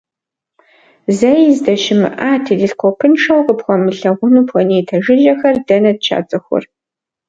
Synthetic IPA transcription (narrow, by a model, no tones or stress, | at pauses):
zɐjzdɐʃɪmɨ̰ʔaːtʰidiɬqʷɔpʰɨnʂɐwqəpχʷɐmɨɬɐʁʷʊnuːpʰwɐneːtʰɐʒɪʒɐxɐrdɐnɐd̚t͡ʃʰa̰ːt͡sʼɨxʷɔ̰r